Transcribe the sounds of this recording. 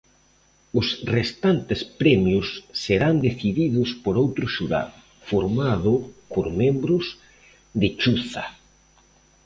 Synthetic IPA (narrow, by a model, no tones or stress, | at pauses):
ʊsrest̪ant̪ɪspɾɛmjʊsːeɾand̪eθiðiðʊspoɾowt̪ɾʊʃuɾa̰l | foɾmaðʊpoɾmẽmbɾʊs | ðɪt͡ʃuθa̰